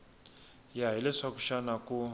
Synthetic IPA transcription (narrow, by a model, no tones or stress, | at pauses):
jaɦilɛʂakuʃanaku